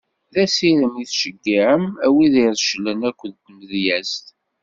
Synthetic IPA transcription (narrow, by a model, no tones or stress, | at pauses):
ðæsiɾəmiθʃəɡːiʕəmæwiðiɾˤʃələnækʷːəðt̪məðjæst̪